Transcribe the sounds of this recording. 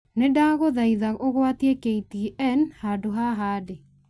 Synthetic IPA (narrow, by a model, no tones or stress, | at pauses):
nedaɣoðaiðaoɣwat̪jekeit̪iiʔɛnhadoɦaɦade